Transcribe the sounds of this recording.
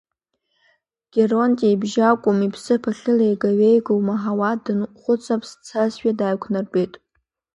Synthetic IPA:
ɡ̥ʲerontʼaibʒakʷʼʊmipʰsɨpʰaχɨlejɡaɥejɡowmaɦawadɨnχʷʊt͡sʼapʰst͡sʰasʃᶣadaːjkʷʰnarbe̞jtʼ

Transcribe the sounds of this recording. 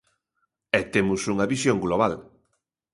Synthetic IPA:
ɛt̪emusuŋɐβisjoŋɡloβ̞al

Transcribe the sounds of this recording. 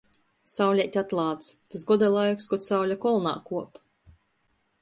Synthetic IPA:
sawlʲɛjt̪ʲat̪lˠaːt̪st̪asɡɔd̪alˠajkskɔt̪sawlʲakɔlˠna̰ːkuɔp

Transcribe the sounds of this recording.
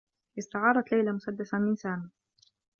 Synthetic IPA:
ʔɪst̪aʕɑːɾˤɑt̪lajlamʊsad̪ːasamɪnsaːna

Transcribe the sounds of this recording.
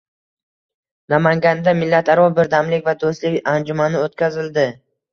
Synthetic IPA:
namaŋɡʲand̪amɪlːat̪aɾɒbɪɾd̪amlɪkʲvad̪ost̪lɪkʲand͡ʒʊmanɪot̪kʲʰazɪld̪ɪ

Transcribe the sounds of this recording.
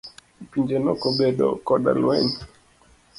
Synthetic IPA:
piɲd͡ʒenɔkɔbeɗɔ̰kɔɗa̰lwɛɲ

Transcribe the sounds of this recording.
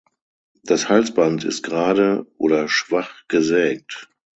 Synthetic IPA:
d̥ashalt͡sb̥antɪ̰st̚ɡ̥ʁaːdəʔo̰ːɾɐʃv̥aχɡ̥əzɛːk̚t

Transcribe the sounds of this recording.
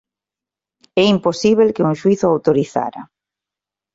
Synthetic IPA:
ɛimposiβelkeuŋʃwiθʊawt̪oɾiθa̰ɾɐ̰

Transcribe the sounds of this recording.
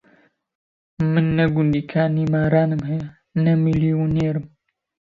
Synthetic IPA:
mɨnːɐɡund̪iːkʰaːniːmaːɾaːnɨmhɛjɛ | nɐmiliːuneːɾɨm

